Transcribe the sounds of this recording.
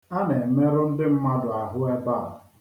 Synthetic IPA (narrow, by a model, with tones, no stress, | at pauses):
a˦ne˨˦me˦ɾʊ˦n̩˦dɪ˦m̩˦ma˦dʊ˨a˨ɦʊ˦e˦ba̰˦˨